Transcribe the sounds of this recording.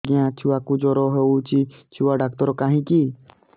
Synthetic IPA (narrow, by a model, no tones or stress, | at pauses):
ɡɪjãːt͡ʃʰuʋaːkud͡ʒoɾoːɦeuːt͡ʃiːt͡ʃʰuːaːɖaːk̚t̪əɾokaːɦĩːkiː